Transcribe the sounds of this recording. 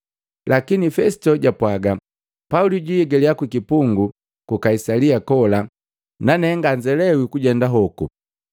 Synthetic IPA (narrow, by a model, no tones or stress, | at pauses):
lakinifɛsi̥tɔɟapwaɡa | pauliɟijɛɡɛliakwikipuŋɡu | kukaisaliakɔla | nanɛŋɡaɲd͡ʒɛlɛwikuɟɛndaɦɔku